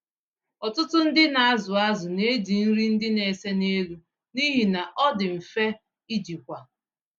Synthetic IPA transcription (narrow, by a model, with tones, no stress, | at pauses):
ɔ˨tʊ˦tʊ˦n̩˦dɪ˦na˨a˦zʊ˨a˦zʊ˨ne˦d͡ʒi˨n̩˦ɾi˦n̩˦dɪ˦ne˨se˦ne˦lu˦ | ni˦ɦi˨na˨ʔɔ˦dɪ˨m̩˨fe˦ | i˦d͡ʒi˨kʷa˨